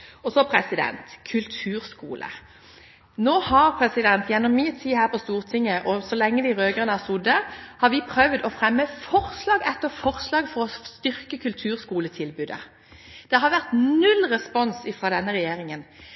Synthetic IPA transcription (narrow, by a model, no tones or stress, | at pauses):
ɔsɔpʰɾɛsɪd̪ɛ̰nt̪kʰʉlt̪ʰʉːɾskṵːlʔə̰ | noːhɑʁpʰɾɛsɪd̪ɛnt̪jɛnːɔmːɪt̪ʰiːhæːʁpʰɔst̪uːʁt̪ʰɪŋːəʔɔsɔlɛŋːəd̪ɪɾøːɡəʁənəæsʊd̪ːəhɑɾʋɪpʰɾœʋd̪ɔfɾɛmːəfɔʁslɑːɡɛt̪ːəfɔʁslɑːɡfɔʁɔst̪ʏɾkəkʰʉlt̪ʰʉːʁskuːlət̪ʰɪlbʉːd̪ə̰ | d̪̥ɛɦɑɾʋæʁt̪nʉlʁɛspɔnsɪfɾɑːd̪ɛnːəʁɛjeːɾɪŋən